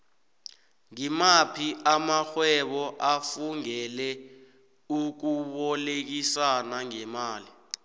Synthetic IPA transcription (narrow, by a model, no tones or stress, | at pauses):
ŋimapʰiʔamaxwɛɓɔʔafuŋɛlɛ | uk̬uɓɔlek̬isanaŋɛmaːli